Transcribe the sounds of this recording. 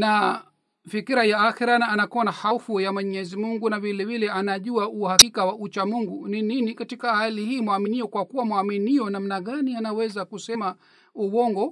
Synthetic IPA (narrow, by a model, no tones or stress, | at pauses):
na | vikiɾajaːxiɾanaːnakɔnahafujamwɛɲɛzimuŋɡunavilɛvilɛanaʄuwauhakikawaut͡ʃamuŋɡunininikatikahalihiːmwaminiɔkwakuwamwaminiɔnam̩naɠanianawɛzakusɛma | uwɔŋɡɔ